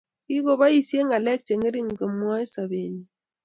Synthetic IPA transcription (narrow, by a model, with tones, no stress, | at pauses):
ki˦ɣo˨ba˦i˨sje˦ŋa˨lɛ˦k̚t͡ʃe˨ŋe˦ɾi˦ŋ˨ɡə˨mwɔ˦jsa˨βe˨ɲi˨